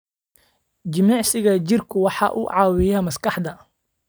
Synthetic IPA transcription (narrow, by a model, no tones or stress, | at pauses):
d͡ʒɪmɑʕsɪɣɐt͡ʃɪrkʰʊwɑħɑ̰ːʔṵːʕɑːwɪjamɐskɑħd̪ɐ